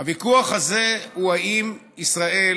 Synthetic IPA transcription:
avikuaχazehuaim | isʁae

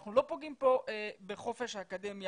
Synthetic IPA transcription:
χnulo̞poɡimpo̞ʔebeχo̞fe̞ʃhaːkademja

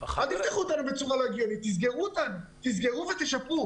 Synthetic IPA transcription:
ad̪ift̪aχuot̪anubet͡suʁaloɡijonit̪ːizɡeʁut̪anut̪izɡeʁuvet̪eʃapu

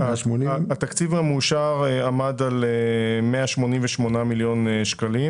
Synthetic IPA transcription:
moniat̪akt͡sivamuʃaʁamadalemeaʃmo̞nimveʃmo̞namiljo̞nʃkalim

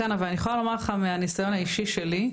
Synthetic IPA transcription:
anavalaniχxojalo̞maʁleχameanisajo̞naiʃiʃeli

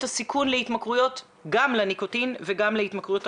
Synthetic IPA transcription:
tasikʰunleit̪makʁujo̞t | ɡamleniko̞tinveɡamleitmakʁujot

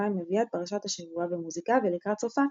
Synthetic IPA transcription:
aimeviat̪̚paʁaʃat̪haʃevuavemuzikavelikʁat̪t͡sofa

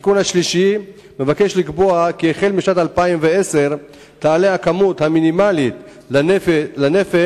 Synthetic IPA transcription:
ikunhaʃliʃi | me̞vakeʃlikbo̞akiːχelmiʃnat̪alpaimveese̞ʁ | t̪aːlehakamut̪haminimalit̪ | lanefe

